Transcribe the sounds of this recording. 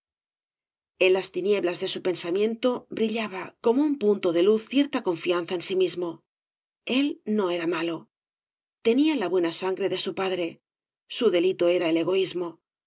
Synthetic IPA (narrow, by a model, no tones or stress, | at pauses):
enlast̪inje̞βlazðe̞supe̞nsamjẽ̞nt̪o̞bɾiʎaβako̞mo̞umpunt̪oðe̞luθːje̞ɾt̪ako̞ɱfian̟θaensimizmo̞ | e̞lno̞e̞ɾamalo̞ | t̪e̞nialaβwe̞nasaŋɡɾe̞ðe̞supaðɾe̞ | suðe̞lit̪o̞e̞ɾae̞le̞ɣ̞o̞izmo̞